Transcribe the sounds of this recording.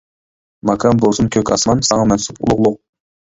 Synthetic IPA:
mɑkʰɑmbolˠsunkʲʰøkʲɑ̰smɑnsɑŋɑmɛnsupṵlˠʊʁlˠʊq̚

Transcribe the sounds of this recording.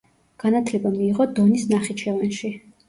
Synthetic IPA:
ɡ̥anat̪ʰlɛbamiːʁɔd̪ɔnisnaχit͡ʃʰɛvanʃi

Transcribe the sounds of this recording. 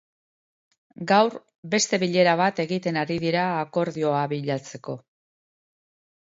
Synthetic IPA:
ɡawɾ | be̞st̪e̞βiʎe̞ɾaβ̞at̪e̞ɣit̪e̞naɾiðiɾaːko̞ɾðio̞aβiʎat͡se̞ko̞

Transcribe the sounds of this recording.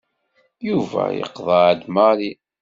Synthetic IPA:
juvæ̰jə̰qðˤɑʕəd̪maɾi

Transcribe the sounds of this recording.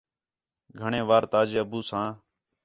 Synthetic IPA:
ɡʱəɳẽːʋaːɾt̪aːd͡ʒeːəbuːsãː

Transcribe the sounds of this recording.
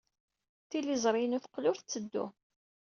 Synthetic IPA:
θilizˤɾˤijənʊθqlʊɾθt͡sːəd̪ːṵ

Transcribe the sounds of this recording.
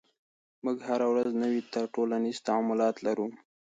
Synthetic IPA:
muɡhaɾawɾaznəwit̪aʈolaniz̥t̪aɑmʊlɑt̪laɾu

